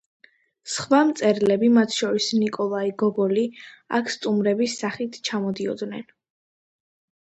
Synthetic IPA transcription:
sχwamt̪sʼɛɾlɛbimat̪ʰʃɔɾisnikʼɔlˠaiɡɔbɔlia̰kʰst̪ʼumɾɛbisːaχit̪ʰt͡ʃʰamɔd̪iɔ̰d̪nɛn

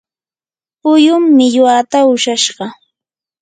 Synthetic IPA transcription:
pʊjʊmːɪʎʊat̪aʊʃaʃɢɑ

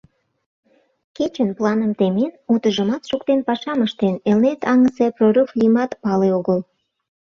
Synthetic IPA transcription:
ket͡ɕənplɑnəmt̪emenut̪əʒəmɑt̪ʃukt̪enpɑʃɑməʃt̪enelnet̪ɑŋəseproɾuflimɑt̪pɑleoɣəl

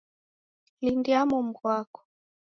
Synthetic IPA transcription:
lindiamɔm̩ɡwakɔ̥

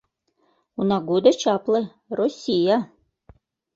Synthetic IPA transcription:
unaɡud̪ɐt͡ʃʰaplɨ | rosʲija

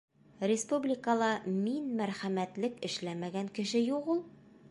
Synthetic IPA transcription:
rʲɪspublʲɪkəlˠɑminmæɾχæmæt̪lɘkɘ̆ʃlæmæɡæŋkɘ̆ʃɘjuqulˠ

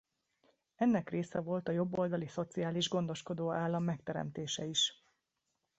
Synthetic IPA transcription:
ɛnːɛkreːsɛvo̞lt̪ɒjo̞bːo̞ld̪ɒliso̞t̪siaːliʒɡo̞nd̪o̞ʃko̞d̪oːaːlːɒmːɛkt̪ɛɾɛ̰mt̪eːʃɛiʃ

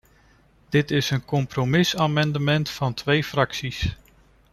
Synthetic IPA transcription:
d̥ɪtɪsənkɔmpromɪsaːmɑndəmɛntfɑntʋejfrɑksis

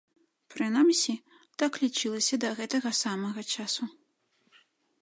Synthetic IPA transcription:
pɾɨnamsʲi | t̪aklʲit͡ʂɨlˠɐsʲɐd̪ɐɣɛt̪ɐɣɐsamɐɣɐt͡ʂasu

